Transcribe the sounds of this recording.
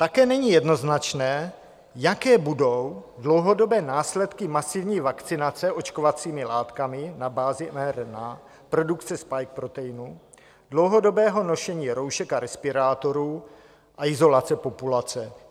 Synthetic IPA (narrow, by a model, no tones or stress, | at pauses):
t̪akɛːnɛɲiːjɛdno̞znat͡ʃnɛː | jakɛːbudo̞wdlo̞wɦo̞do̞bɛːnaːslɛt̪kɪmasɪvɲiːvakt͡sɪnat͡sɛʔo̞t͡ʃkovat͡siːmɪlaːt̪kamɪnabaːzɪmɛɾna | pɾo̞dukt͡sɛspajk̚pɾo̞t̪ɛjɪnu | dlo̞wɦo̞do̞bɛːɦo̞no̞ʃɛɲiːɾo̞wʃɛkaɾɛspɪɾaːt̪o̞ɾuː | ʔaɪzo̞lat͡sɛpo̞pulat͡sɛ